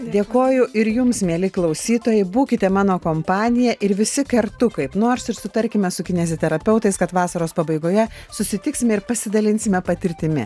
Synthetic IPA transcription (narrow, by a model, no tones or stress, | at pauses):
d̪ʲeːkoːjʊʔɪɾjʊmsmʲeːlʲɪklˠɒʊsʲiːt̪oːjɛɪbuːkʲɪt̪ʲɛmɑːnoːkoːmpɑːnʲɪjɛʔɪɾʋʲɪsʲɪkɐɾt̪ʊkɐɪpnoːɾsɪɾsʊt̪ɐɾʲkʲɪmʲɛsʊkʲɪnʲɛzʲot̪ʲɛɾɐpʲɛʊt̪ɐɪskɐt̪ʋɑːsɐɾoːspɐbɐɪɡoːjɛsʊsʲɪt̪ʲɪksʲɪmʲɛɪɾpɐsʲɪd̪ɐlʲɪnʲsʲɪmʲɛpɐt̪ʲɪɾʲt̪ʲɪmʲɪ̰